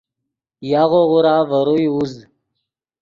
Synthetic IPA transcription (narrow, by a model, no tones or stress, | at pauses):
jaɣoɣuɾaːvəɾujuz